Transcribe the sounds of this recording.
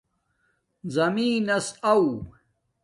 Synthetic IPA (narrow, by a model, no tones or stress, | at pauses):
zɐmiːnɐsɐw